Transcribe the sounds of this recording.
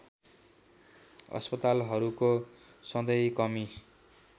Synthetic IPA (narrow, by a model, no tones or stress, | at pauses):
ʌ̰spʌt̪alɦʌɾukosʌ̃d̪ʌjkʌmi